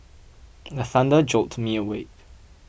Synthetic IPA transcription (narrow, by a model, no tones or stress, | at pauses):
ðəθãndəd͡ʒɔtmiəweɪk̚